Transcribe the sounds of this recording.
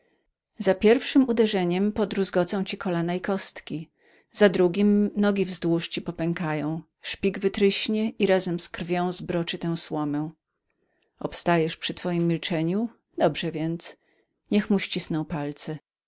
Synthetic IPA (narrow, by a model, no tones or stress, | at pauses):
zapʲjɛɾfʂɘmud̪ɛʐɛɲɛmpɔd̪ɾuʐɡɔt̪sɔ̃w̃t͡ɕikɔlanaikɔst̪kʲi | zad̪ɾuɡʲimnɔɡʲivzd̪wuʂt͡ɕipɔpɛŋkajɔ̃w̃ | ʂpʲiɡvɘt̪ɾɘɕɲɛʔiɾazɛmskɾvʲjɔ̃w̃zbɾɔt͡ʂɘt̪ɛw̃swɔmɛ̃ | ɔpst̪ajɛʂpʂɘt̪fɔjimːʲilt͡ʂɛɲu | d̪ɔbʐɛvʲjɛnt̪s | ɲɛxmuɕt͡ɕisnɔw̃palt̪sɛ